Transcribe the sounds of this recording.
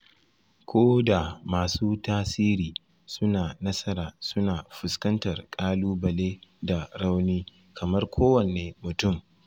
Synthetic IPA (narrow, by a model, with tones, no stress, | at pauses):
kʷʰoː˦da˨maː˨suː˦taː˦siː˦ɾiː˨ | sʊ˦naː˨nɐ˦sɐ˦ɾaː˨sʊ˦naː˨ɸʊ˨skɐ˦ntɐ˨rkʼaː˦luː˦bɐ˨leː˦da˨ɽa˦wniː˦ | kʰɐ˨mɐ˦rkʷʰoː˦wɐ˨neː˨mʊ˨tʊ˦˨m